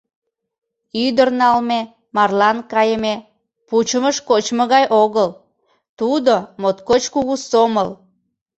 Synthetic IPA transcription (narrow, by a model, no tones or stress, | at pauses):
yd̪ərnɑlme | mɑrlɑnkɑjəme | put͡ɕəməʃkot͡ɕmoɣɑjʔoɣəl | t̪ud̪omot̪kot͡ɕkuɣusoməl